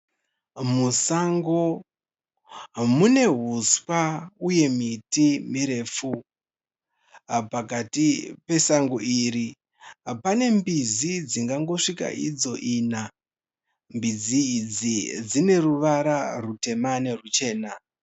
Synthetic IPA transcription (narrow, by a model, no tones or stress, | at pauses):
musaŋɡo | mune̞ɦuswauje̞mitimiɾe̞fu | pakatipe̞saŋɡoʔiːɾi | pane̞mbizid͡ziŋɡaŋɡo̞ʂika̰ʔid͡zo̞ʔiːna | mbid͡ziːd͡zid͡zine̞ruʋaɾarute̞mane̞rut͡ʃe̞ːna